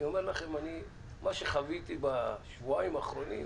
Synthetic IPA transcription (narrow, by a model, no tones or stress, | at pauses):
o̞me̞ʁlaχe̞mani | maʃeχavit̪ibaʃvuaimaːχɾo̞nḭm